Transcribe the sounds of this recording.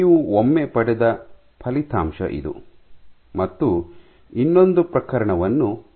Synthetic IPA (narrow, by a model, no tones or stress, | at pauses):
ʋuomːepɐɽɛd̪ɐ | pʰɐlit̪ʰa̰ːmʃɐ̰ʔḭd̪ṵ | mɐt̪ːu | inːo̞nd̪upɾɐkɐɾɐɳɐʋɐnːu